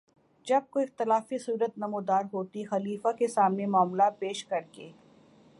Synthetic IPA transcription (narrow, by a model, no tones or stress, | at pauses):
d͡ʒɐb̚koɪxt̪ɪlaːfisuːɾət̪nɐmod̪aːɾɦoːt̪ixɐliːfakesaːmnemaːmlapeːʃkɐɾkeː